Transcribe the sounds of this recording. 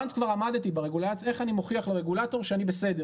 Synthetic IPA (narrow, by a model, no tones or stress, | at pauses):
nskvaʁamad̪t̪ibeʁeɡulase̞χanimoχiaχleʁeɡulato̞ʁʃeanibese̞de